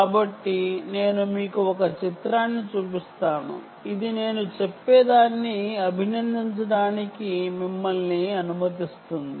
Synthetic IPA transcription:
aːbɐʈːine̞ːnumiːkuɔkɐt͡ʃit̪ɾaːnːit͡ʃuːpist̪aːnṵ | id̪ine̞ːnut͡ʃepːeːd̪aːnːiɐbʱinɐnd̪iɲt͡ʃɐɽaːnikimimːɐlniɐnumɐt̪ist̪und̪i

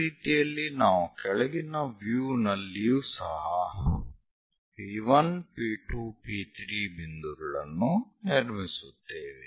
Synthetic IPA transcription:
iːt̪ijɐlːinaːʋukɛɭɛɡinɐʋjuːnɐlːijusɐ̰ɦɐ | iʋɐnpiːʈuːpiːt̪ʰɾiːbind̪uɾɐɭɐ̰nːuneɽmisut̪ːeːʋe

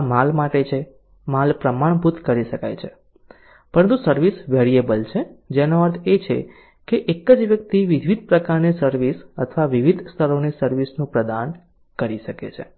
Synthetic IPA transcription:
malmaʈet͡ʃʰe | malpɾəmaɳ̃bʱut̪kəɾiʃəka̰jt͡ʃʰe | pəɾənt̪usəɾʋisʋɛɽiebəlt͡ʃʰed͡ʒenoəɾt̪ʰet͡ʃʰḛ | keʔekəd͡ʒʋjək̚t̪iʋid̪ʱʋid̪̚pɾəkaɾnisəɾʋisət̪ʰʋaʋiʋid̪ʱst̪ʰəɾonisəɾʋisnũpɾəd̪an | kəɾiʃəkḛt͡ʃʰḛ

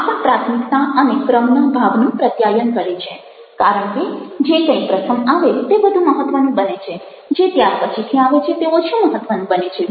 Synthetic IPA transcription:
apəɳ̃pɾat̪ʰmikt̪aənekɾəmnəbʱaʋnũpɾət̪jajənkəɭet͡ʃʰe | kaɾəɳked͡ʒekə̃ĩpɾəsəmaʋet̪ebəd̪ʱũməɦət̪ːʋənũbənet͡ʃʰe | d͡ʒet̪jaɾpət͡ʃʰit̪ʰiaʋet͡ʃʰet̪eoʃũməɦət̪ːʋənũbənet͡ʃʰe

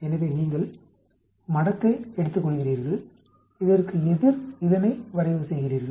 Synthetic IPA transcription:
ɛnɐʋeːniːŋɡɐɭ | mɐɽɐkːɐɪɛɽɯt̪ːɯkːɔɭːɣɪriːɾɣɐɭ | ɪðɐrkɯɛðɪɾɪðɐnɐɪʋɐɾɐɪjɐʋɯsɛjɣɪriːɾɣɐ

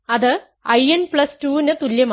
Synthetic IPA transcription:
ɐðɨ | ɐjɐnpɭɐstuːnɨt̪uljɐm

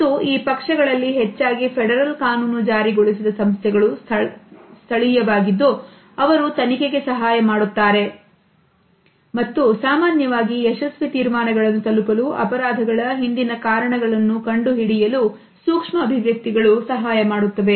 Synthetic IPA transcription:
ɐt̪ːuiːpɐkʂɐɡɐɭɐlːiɦɛt͡ʃːaːɡipʰɛɽɐɾɐlkaːnuːnud͡ʒaːɾiɡoɭisid̪ɐsɐmst̪ʰɛɡɐɭu | st̪ʰɐɭijɐʋaːɡid̪ːu | ɐʋɐɾut̪ɐnike̞ɡe̞sɐɦaːjɐmaːɽut̪ːaːɾe̞ | mɐt̪ːusaːmaːnjɐʋaːɡiɛʃɐsʋit̪iːɾmaːnɐɡɐɭɐnːut̪ɐlupɐluʔɐ̰pɐɾaːd̪ʱɐɡɐɭɐɦind̪inɐkaːɾɐɳɐɡɐɭɐnːukɐɳɖuɦiɽijɐlu | suːkʂmɐːbʱiʋjɐk̚t̪iɡɐɭusɐɦaːjɐmaːɽut̪ːɐʋe̞

